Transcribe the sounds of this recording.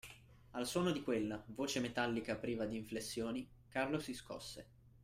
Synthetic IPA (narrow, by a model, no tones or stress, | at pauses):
alswɔːnod̪ikwelːavoːt͡ʃemet̪alːikapɾiːvad̪iːɱflesːjoːnikarlosiskɔ̰sːe